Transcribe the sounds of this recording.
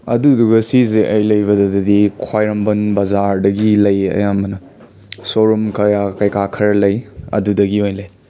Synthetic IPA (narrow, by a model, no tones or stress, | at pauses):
ɐ̰duduɡɐsizeʔɐjlɐjβɐdɐdɐdikʰwajɾɐmbɐnbɐzaɾdɐɡilɐjɐ̰jamɐnɐ | soɾumkʰɐjakɐjkakʰɐɾɐlɐjɐ̰dudɐɡiojlɐj